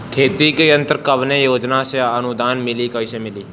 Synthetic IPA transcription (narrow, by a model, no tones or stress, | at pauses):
kʰeːt̪ikeənt̪əɾkəʋnẽjoːd͡ʒnaseənʊd̪aːnmɪliːkəiseːmɪliː